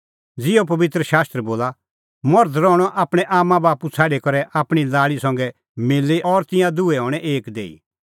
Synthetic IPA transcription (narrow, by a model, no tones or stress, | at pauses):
d͡zɪop̬ɐʋɪt̪ɾəʃaːst̪ɾɛboːla | mɔɾd̪ɾɔɽ̃ɔʔaːpɽ̃ɛʔaːmːãbaːput͡sʰaːɖekɐɾɛʔaːpɽ̃ilaːɭisɐ̃ŋɡɛ | mɪlːeɔɾt̪ɪ̃jãd̪uɛɦɔːɽ̃ɛʔeːkd̪ḛːḭ